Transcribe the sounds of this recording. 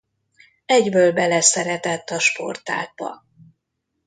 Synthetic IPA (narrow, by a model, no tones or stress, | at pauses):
ɛɟbøːlbɛlɛsɛɾɛt̪ɛt̪ːɒʃpo̞̰rt̪a̰ːɡ̪̚bɒ̰